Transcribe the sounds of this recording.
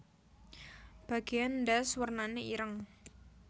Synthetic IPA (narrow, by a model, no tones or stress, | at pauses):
b̥a̤ɡ̥ejandaswərnaneiɾəŋ